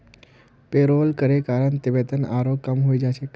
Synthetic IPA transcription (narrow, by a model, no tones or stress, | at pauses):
peɾoːlkəɾekaːɾəɳt̪ɪʋet̪əna̰ːɾoːkːəmɦoid͡ʒaʃek